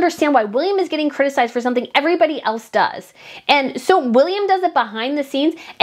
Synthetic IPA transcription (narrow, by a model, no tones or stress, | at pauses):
ndə˞stæ̃nd̚waɪwɪlˠjɨ̃mɨzɡɛɾɪ̃ŋkʰɹ̥ɪɾɨsaɪzd̥fə˞sʌ̃mθɪ̃ŋɛvɹibɑɾiʔɛlˠsd̥ʌ̰z̥ʔɨ̃nsoʊwɪlˠjɨ̃mdʌzɨt̚b̥əɦãɪ̃nðɨsĩnz̥ɨ̃